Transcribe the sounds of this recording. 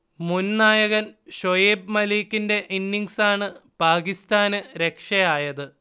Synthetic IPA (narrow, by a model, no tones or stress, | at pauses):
munnaːjɐɣɐnɕojeːb̚mɐliːkːinde̞ʔinːiŋsaːɳɨpaːɣist̪aːnɨɾe̞kʂɐjaːjɐðɨ